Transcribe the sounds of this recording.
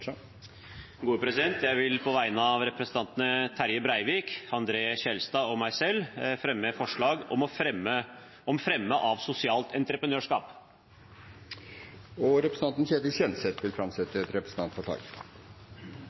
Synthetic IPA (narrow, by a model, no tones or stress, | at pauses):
ɡuːəpʰɾɛsɪd̪ɛnt̪jæɪʋɪlpʰɔʋæɪənəɑɑʋɾɛpɾsən̩t̪ɑnt̪ənət̪ʰæɾjəbɾæɪʋiːkɑnd̪ɾeːɕɛlst̪ɑːɔmæɪsɛlfɾɛmːəfɔʂɭɑːɡɔmɔə | ɔmfɾɛmːəʔɑʋsʊsɪɑːlt̪ʰɛnt̪ɾəpɾənøːʂkɑ̰ːp | ɔɾɛpɾəsn̩t̪ɑnt̪ənçeːt̪əsɛnsɛt̪ʋɪlfɾɑmsɛt̪ːəɛt̪ɾɛpɾəsn̩t̪ʰɑnt̪fɔʈʰɑ̰ːk